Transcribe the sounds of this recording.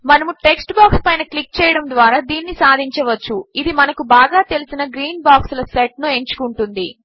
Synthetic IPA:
mɐnɐmuʈe̞ksʈbaːkspɐjnɐklik̚t͡ʃɛːjɐɽɐmd̪ʋaːɾaːd̪iːnːisaːd̪ʱiɲt͡ʃɐʋɐt͡ʃːuid̪imɐnɐkubaːɡaːt̪e̞lisinɐɡɾiːnbaːkslɐseʈ̚nue̞ɲt͡ʃu̥kuɳʈund̪i

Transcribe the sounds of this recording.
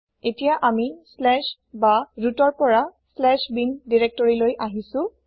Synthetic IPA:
etijaʔamislɛʃ | baɹutɔɹpɔɹaslɛʃbindiɹek̚tɔɹilojʔaɦisʊ̃

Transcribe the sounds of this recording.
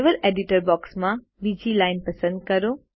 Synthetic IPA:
ʋəleɖiʈəɾbɔːksmã | bid͡ʑilaːɪnpɐsə̃nd̪̚kɐɾo

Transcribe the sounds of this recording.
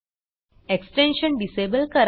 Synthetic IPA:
eksʈẽnɕənɖisebəlkəɾ

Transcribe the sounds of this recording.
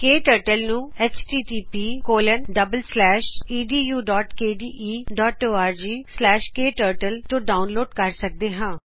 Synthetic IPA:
keːʈəːɾʈəlnũːɛːt͡ʃʈiːʈiːpiːkoːlənɖəbəlslɛːʃiːɖiːjuːɖɔːʈkeːɖiːʔiːɖɔːʈoːaːɾd͡ʒiːslɛːʃkeːʈəːɾʈəlt̪õːɖaːʊnloːɖkəɾsək̚d̪eːɦãː

